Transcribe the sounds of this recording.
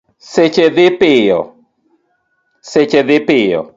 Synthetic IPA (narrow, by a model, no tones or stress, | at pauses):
set͡ʃeðɪpɪjɔ̰ | set͡ʃeðɪpɪjɔ̰